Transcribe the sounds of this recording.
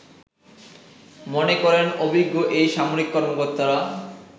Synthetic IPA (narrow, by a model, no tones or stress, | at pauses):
monekɔɾenobʱiɡʱːoʔejʃamoɾikːɔɾmokoɾt̪ːaɾa